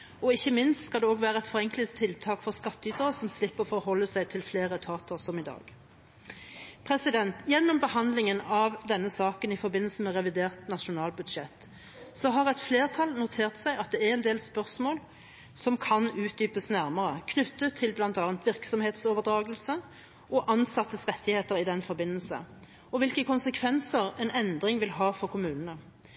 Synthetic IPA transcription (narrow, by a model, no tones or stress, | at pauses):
ɔɪçːəmɪnst̪skɑld̪ɛoːɡʋæːʁəɛt̪fɔʁɛŋklɪt̪ʰːɪlt̪ʰɑːkfɔʁskɑt̪ːəyːt̪əʁəsɔmslɪpːəʁɔfɔɦɔlːəsæɪt̪ʰɪlfleːʁət̪ʰɑːt̪ʰəʁsɔmɪd̪ɑ̰ːɡ | pʰʁɛsɪd̪ɛnt̪jɛnːɔmbəhɑnd̪lɪŋənɑʋd̪ɛnːəsɑːkənɪfɔʁbɪnːəlsəmɛʁɛʋɪd̪eːʁt̪nɑʃʊnɑːlbʉd̪ʃɛt̪ː | sɔɦɑʁɛɪt̪fleːʁt̪ʰɑlnʊt̪ʰeːʁt̪sæɪɑt̪̚d̪ɛæʁɛnd̪eːlspœʁsmoːl | sɔmkʰɑnʉːt̪̚d̪yːpəsnæʁməʁəkʰnʉt̪ːət̪ʰːɪlblɑnt̪ɑːnt̪ʋɪʁksɔmheːt̪soːʋəʁd̪ʁɑːɡəlsə | ʔɔʔɑnsɑt̪ːəsʁɛt̪ʰːɪheːt̪əʁɪd̪ɛnfɔɾbɪnːəlsə̰ | ɔʋɪlkəkʰʊnsəkʰʋɛnsəʁɛnɛnd̪ʁɪŋʋɪlɦɑːfɔʁkʊmʉːnənə